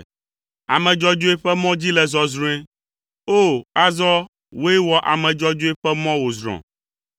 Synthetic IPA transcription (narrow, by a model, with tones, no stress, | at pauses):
a̰˨mɛ̃˨d͡ʒɔ˦d͡ʒo˦e˦ɸɛ˦mɔ̃˦d͡ʑi˦lɛ˨zɔ˨zɾũ˦ɛ˦ | o˦a˦zɔ˦ | wo˦e˦wɔ˦ʔa̰˨mɛ̃˨d͡ʒɔ˦d͡ʒo˦e˦ɸɛ˦mɔ̃˦wo˨zɾɔ̰̃˨